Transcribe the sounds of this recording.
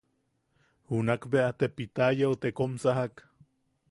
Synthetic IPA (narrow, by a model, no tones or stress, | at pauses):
hunakbeat̪epit̪ajaot̪ekomsaɦak